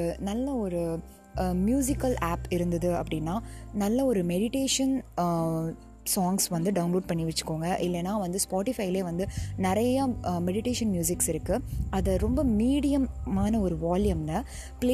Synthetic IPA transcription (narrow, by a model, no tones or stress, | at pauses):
nɐlːɐɔɾɯ | mjuːs̬ɪkːɐlʔaːpɪɾɯnd̪ɐðɯɐ̰pːɐɽɪnːaːnɐlːɐɔɾɯmɛɽɪʈeːʂɐn | saːŋɡsʋɐnd̪ɯɖɐʊnloːɖpɐɳːɪʋɐt͡ʃːɯ̥kːoːŋɡɐʔɪlːɛnːaːʋɐnd̪ɯspaːʈɪfɐɪleːʋɐnd̪ɯnɪɾɐjɐmɛɽɪʈeːʂɐnmjuːs̬ɪksɪɾɯkːɯɐðɐɾɔmbɐmiːɽɪjɐmaːnɐɔɾɯʋaːljɐmlɐ | ple